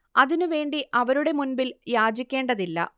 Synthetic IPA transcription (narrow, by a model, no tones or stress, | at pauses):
ɐðinuʋe̞ːɳɖiʔɐʋɐɾuɽe̞munbiljaːd͡ʑikʲːe̞ːɳɖɐðilːɐ̰